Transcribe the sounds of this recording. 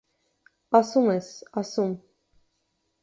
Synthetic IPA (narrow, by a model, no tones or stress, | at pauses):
ɑsumɛsɑsum